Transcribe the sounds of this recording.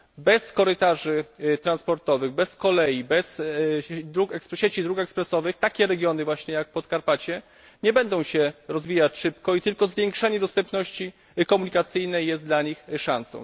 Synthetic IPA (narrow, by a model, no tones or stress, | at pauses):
bɛskɔɾɘt̪aʐɘt̪ɾanspɔɾt̪ɔvɘɣbɛskɔlɛjibɛs | d̪ɾukɛkspɕet͡ɕid̪ɾukɛkspɾɛsɔvɘxt̪akʲɛɾɛɡʲjɔnɘvwaɕɲɛjak̚pɔt̪kaɾpat͡ɕɛ | ɲɛbɛnd̪ɔ̃w̃ɕɛɾɔzvʲijat͡ɕʂɘpkɔit̪ɘlkɔzvʲjeŋkʂɛɲɛd̪ɔst̪ɛmpnɔɕt͡ɕi | kɔmuɲikat̪sɘjnɛjːɛst̪d̪laɲixʂãnsɔ̰̃w̃